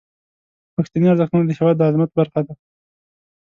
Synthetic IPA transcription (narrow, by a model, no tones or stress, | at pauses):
paxt̪aniaɾzəxt̪unad̪əhewad̪əazmat̪̚baɾxad̪a